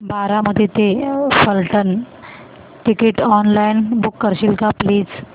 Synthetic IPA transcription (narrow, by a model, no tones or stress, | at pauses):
baɾaməd̪ʱjet̪efəlʈən | ʈikiʈɔnlainbukːəɾɕilkapliːd͡z